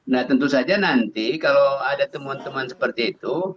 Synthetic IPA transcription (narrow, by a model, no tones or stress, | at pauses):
naht̪ənt̪usad͡ʒanant̪ikaloadat̪əmuant̪əmuansə̥pərt̪iːt̪u